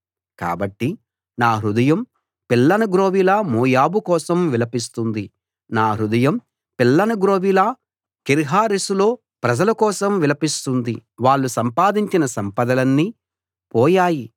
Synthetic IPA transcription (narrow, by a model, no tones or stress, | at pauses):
ka̰ːbɐʈːi | naːɦɾud̪ɐjɐm | pilːɐnɐɡɾoːʋilaːmoːjaːbukɔːsɐmʋilɐpist̪und̪i | naːɦɾud̪ɐjɐm | pilːɐnɐɡɾoːʋilaː | kiɾɦaːɾisulo̞ː | pɾɐd͡ʒɐlɐkɔːsɐmʋilɐpist̪und̪iʋaːɭːusɐmpaːd̪iɲt͡ʃinɐsɐmpɐd̪ɐlɐnːi | pɔːjaːji